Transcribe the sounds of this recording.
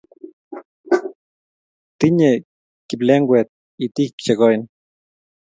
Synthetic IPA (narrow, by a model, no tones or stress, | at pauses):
t̪iɲe | kːipleŋɡʷet̪̚ | it̪ikt͡ʃekojn